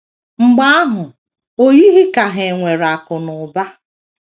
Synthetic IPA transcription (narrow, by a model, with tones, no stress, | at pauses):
ŋ͡m̩˨ɡ͡ba˦a˦ɦʊ˨ | o˦ji˦ɦi˦ka˨ɦe˨ŋʷe˨ɾa˨kʊ˨nʊ˨ba˦